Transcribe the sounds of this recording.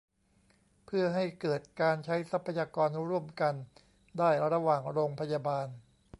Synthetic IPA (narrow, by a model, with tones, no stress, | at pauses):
pʰɯ˥˩ɐɦa˥˩jkɤː˨˩t̪̚kaː˧nt͡ɕʰa˦˥jsa˦˥pʰːa˧jaː˧kɔː˧nɾu˥˩əmka˧n | daː˥˩jɾa˧waː˨˩ŋɾoː˧ŋpʰa˧jaː˧baː˧n